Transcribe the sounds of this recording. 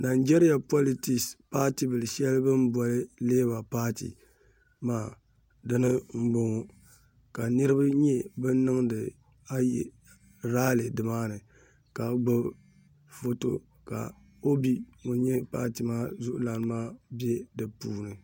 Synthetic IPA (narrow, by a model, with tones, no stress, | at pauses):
na˨nd͡ʒe˦ɾi˦ja˨po˦li˨tɪ˨kspaː˦ti˦bɨ˨lɨ˨ʃɛ˦lɨ˦bɨ˦m˦bɔ˨lɨ˦leː˦ba˨paː˦tḭ˨ | maː˦˨ | dɨ˦nɨ˦m̩˦ɡ͡bo˨ŋo˦ | ka˨nɨ˦ɾɨ˦ba˦ɲɛ˦bɨ˦n˦nɨ˦ŋdɨ˨ | a˦jɛ̰˨ | ɾaː˦lɨ˨dɨ˨maː˦nɨ˨ | ka˨ɡ͡bɨ˦ | fo˦to̰˨ | ka̰˨ | o˦bi˦ŋo˨ɲɛ˦pa̰ː˦ti˨maː˦zʊ˦ʔʊ˦la˨nɨ˦maː˦bɛ˦dɨ˨puː˦nɨ˨